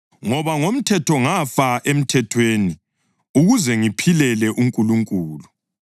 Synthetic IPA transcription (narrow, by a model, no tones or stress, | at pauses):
ŋɔβaŋom̩tʰɛtʰɔŋafaʔem̩tʰɛtʰweːni | uɣuzɛŋipʰilɛlɛʔuŋkʼuluŋkʼuːlu